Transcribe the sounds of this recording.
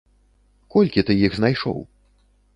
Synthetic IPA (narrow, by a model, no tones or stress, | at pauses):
kɔlʲkʲit̪ɨjiɣznajʂɔ̰w